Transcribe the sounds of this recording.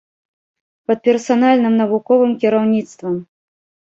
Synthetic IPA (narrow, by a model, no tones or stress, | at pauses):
pɐt̪̚pʲɛrsanalʲnɨmnɐvukɔvɨmkʲiɾawnʲit̪st̪vɐm